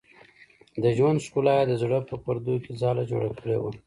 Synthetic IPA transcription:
d̪əʒwand̪ʃkulɑjad̪əzɽəpəpaɾd̪okezɑlad͡ʒo̰ɽakəɽḛwa

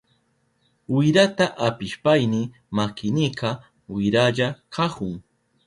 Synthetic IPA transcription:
ʊjɾat̪aʔapɪʃpajnɪ | makɪnɪqɑ | wɪɾaʎakʰɑχʊŋ

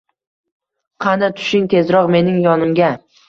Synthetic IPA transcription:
qʰɑnat̪ʰʊ̥ʃɪŋt̪ʰe̞zɾɒqme̞nɪŋjɒnɪmɡʲa

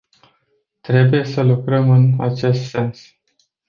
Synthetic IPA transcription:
t̪ɾe̞buje̞səlukɾəmɨna̰t͡ʃe̞st̪se̞ns

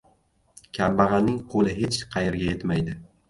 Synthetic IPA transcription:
kʲʰambɑʁɑnːɪŋqʰolˠɪɦe̞t͡ʃqʰɑjeɾɡʲajet̪majd̪ɪ

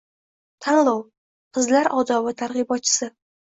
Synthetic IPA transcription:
t̪ʰanlˠɒw | qʰɨzlaɾɒd̪ɒvɪt̪ʰaɾʁɨbɒt̪̚t͡ʃʰɪ̥sɪ

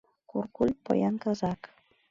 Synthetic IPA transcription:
kuɾkulʲpo̰jaŋkazak

